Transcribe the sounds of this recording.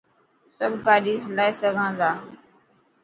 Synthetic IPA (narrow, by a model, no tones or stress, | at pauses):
səbʱkaːɗiːɦəlaːiːsəɡʱãːd̪aː